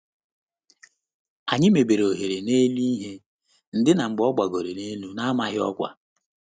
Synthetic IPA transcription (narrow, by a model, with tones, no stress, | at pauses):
a˨ɲɪ˦me˨be˨ɾo˨ɦe˨ɾe˨ne˦li˦i˦ɦe˦ | n̩˨dɪ˦na˨ŋ͡m̩˨ɡ͡bɔ˦ɡ͡ba˨ɡo˨ɾe˨ne˦lu˦na˦a˦ma˦ɦɪ˦ɔ̰˦kʷa̰˦